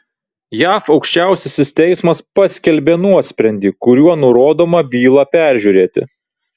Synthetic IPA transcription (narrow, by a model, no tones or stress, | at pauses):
jæːfɐʊkʃʲt͡ʃʲæˑʊsʲɪsʲɪst̪ʲɛɪsmɐspɐsʲkʲɛlʲbʲeːnuɔsʲpʲɾʲɛnʲd̪ʲiːkʊɾʲuɔnʊɾoːd̪oːmɐbʲiːlˠɑpʲæˑɾʲʒʲuɾʲeːt̪ʲɪ̰